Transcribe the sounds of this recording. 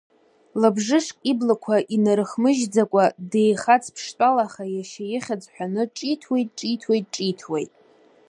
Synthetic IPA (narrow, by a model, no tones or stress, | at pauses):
labʐɨʂkʷʼiblakʷʰaʔinaɾɨχmɨʒd͡zakʷʼadejχat͡sʰpʰʂtʼalaχajaʃajɪχʲad͡zħʷᶣanɨʈ͡ʂʼitʰwe̞jtʼʈ͡ʂʼitʰwe̞jt̚ʼʈ͡ʂʼitʰwḛjtʼ